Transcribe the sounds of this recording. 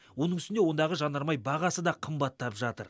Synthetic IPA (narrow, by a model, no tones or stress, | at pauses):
wo̞nəŋʏst̪newo̞nd̪ɑʁəʒɑnɑɾmɑjbɑʁɑsəd̪ɑqʰəmbɑt̪ʰːɑpʒɑt̪ə̰ɾ